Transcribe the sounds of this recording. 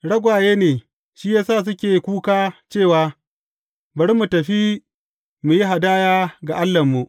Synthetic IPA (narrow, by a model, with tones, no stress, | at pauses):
ɽɐ˦ɡʷaː˨jeː˦neː˨ | ʃiː˦jaː˦saː˦˨s̬ʊ˦kʲeː˨˦kʷuː˦kaː˦t͡ʃeː˦˨waː˨ | bɐ˨˦ɽmu˨tɐ˨ɸi˦ | mu˨ji˦ɦa˨daː˦jaː˦ɡa˨ʔa˦lːɐ˨mːu˨ʔ